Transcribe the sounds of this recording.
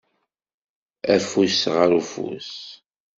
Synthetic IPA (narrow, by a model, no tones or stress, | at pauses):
æfusʁəɾufṵs